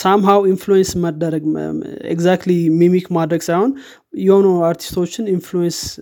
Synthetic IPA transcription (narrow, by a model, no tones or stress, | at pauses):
samɦawinflujɛnsməd̪əɾəɡḛɡzak̚t̪limimikmad̪ɾəɡsajho̞n | jɛho̞noaɾt̪ʰi̥st̪ʰo̞t͡ʃːɪninflujɛns